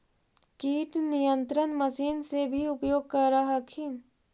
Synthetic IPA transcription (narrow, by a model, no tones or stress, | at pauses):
kiːʈnijə̃nt̪ɾənməsiːnsebʱiʊpjoːɡ̚kɐɾaɦakʰin